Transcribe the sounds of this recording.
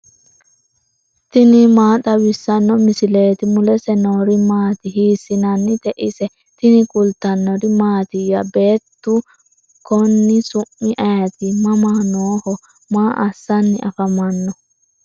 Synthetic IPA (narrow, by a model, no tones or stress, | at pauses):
t̪ɪnɪmaːt̪ʼɐwɪsːɐnːɔmɪsɪle̞ːt̪ɪmʊlɛsɛnoːɾɪmaːt̪ɪɦiːsːɪnɐnːɪt̪ɛʔɪsɛ | t̪ɪnɪkʼʊlt̪ːɐnːɔɾɪmaːt̪ɪjɐbe̞ːt̪ːʊ | kɔnːɪsʊʔːɪʔɐjɐt̪ɪmɐmaːnoːhɔ | maːʔɐsːɐnːɪʔɐfɐmɐnːɔ